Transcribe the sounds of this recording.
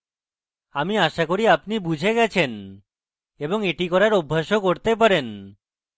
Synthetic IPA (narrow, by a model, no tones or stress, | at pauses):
amiaʃakoɾiapnibud͡ʑʱeɡɛt͡ɕʰen | eboŋeʈikɔɾaɾobʱːaʃokoɾt̪ep̬aɾen